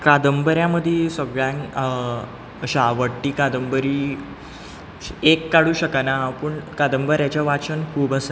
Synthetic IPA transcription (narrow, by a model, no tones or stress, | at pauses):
kad̪əmbəɾjaməd̪ʱjesəɡɭjãn | ɕaʋəʈːiːkad̪əmbəɾiː | ekːaɽuːɕəkanapəɳkad̪əmbəɾjat͡ɕjaʋat͡ɕənkʰuːbəsə